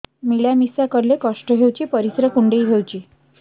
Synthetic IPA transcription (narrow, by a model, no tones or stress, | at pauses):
miɭjamisakəɾlekəʂʈəɦewt͡ɕiːpəɾisɾəkuɳɖeiːɦewt͡ɕiː